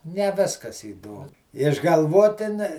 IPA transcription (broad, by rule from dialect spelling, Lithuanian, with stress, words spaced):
nʲɛ ˈʋʲɪskɐs iːˈdoːm ɪʒɡɐlˠˈʋoːtʲɪ nʲɛ